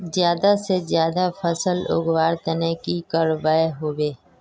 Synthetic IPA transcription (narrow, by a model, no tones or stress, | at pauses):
zjaːd̪asezjaːd̪afʰəsəlʊ̰ɡwaːɾt̪ənekikaːɾʋaːeɦoːweː